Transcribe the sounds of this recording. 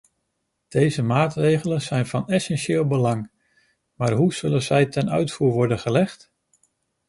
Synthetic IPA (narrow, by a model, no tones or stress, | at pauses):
d̥ejzəmaːtrejχələnzɛjnv̥ɑnɛsɛnʃɪːlˠbəlɑŋ | maːɹɦuz̥ɵlənzɛjtɛnœ̰ɥtfuːɹʋɔɹdənχəlɛχt